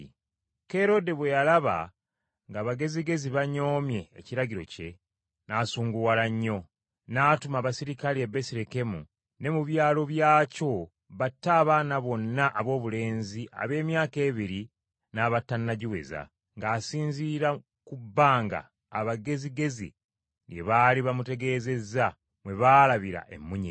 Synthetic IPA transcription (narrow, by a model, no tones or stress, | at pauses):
ke̞ɾo̞de̞βwe̞jalaβa̰ | ŋɡaːβaɡe̞ziɡe̞ziβaɲo̞ːmje̞̰ːciɾaɟiɾo̞̰ce̞ | nasuːŋɡuwalaɲːo̞ | naːtumaːβasiɾikaliebesiɾeke̞mṵ | ne̞muβjaːlo̞βjaːco̞ | βatːaːβaːnaβo̞nːaʔːβo̞ːβule̞ːnziʔa̰βe̞ːmjaːke̞ːβiɾi | naːβatːanːaɟiwe̞̰za̰ | ŋɡaːsiːɲziːɾa | kubːaːŋɡa̰ː | βaɡe̞ziɡe̞zḭ | ɾjeβaliβamute̞ɡe̞ːze̞za | mwe̞βaːlaβiɾa̰ʔe̞̰mːuɲe